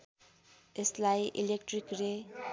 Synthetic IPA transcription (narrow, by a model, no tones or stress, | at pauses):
eslajʔḭlek̚ʈrikre